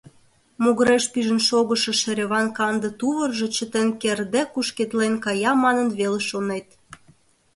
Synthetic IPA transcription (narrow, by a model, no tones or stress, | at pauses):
moɣəɾeʃpiʒə̆nʃoɣəʃɤ̆ʃĕɾʲeβɑnkɑnd̪ə̆t̪uβə̆rʒŏt͡ɕə̆t̪enkerd̪ekuʃket̪lenkɑjɑmɑnənβeleʃonet̪